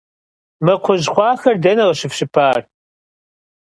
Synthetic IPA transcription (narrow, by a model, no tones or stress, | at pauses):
mɐqʷʰʊʑχʷɑːxɐrdɐnɐʁɐɕɪfɕɪpʰaːr